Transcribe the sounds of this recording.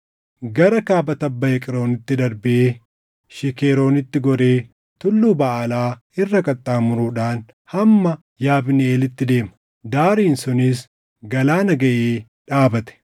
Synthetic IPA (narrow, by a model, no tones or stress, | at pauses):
ɡɐɾɐkaːbɐt̪ɐbːɐjɛkʼɪɾo̞ːnɪt̪ːɪd̪ɐɾbɪʔeː | ʃɪkeːɾo̞ːnɪt̪ːɪɡɔɾe̞ː | t̪ʊlːuːbɐʔːlaː | ɪrːɐkʼɐt̪ʼːaːmʊɾuːᶑaːn | hɐmːɐ | jaːbnɛeːlɪt̪ːɪd̪e̞ːmɐ̥ | d̪aːɾiːnsʊnɪs̬ | ɡɐlaːnɐɡɐʔeː | ᶑaːbɐt̪ɛ̥